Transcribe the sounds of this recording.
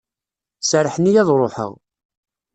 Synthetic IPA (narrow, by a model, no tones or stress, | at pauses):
səɾəħnijæðˤɾˤoħə̰ʁ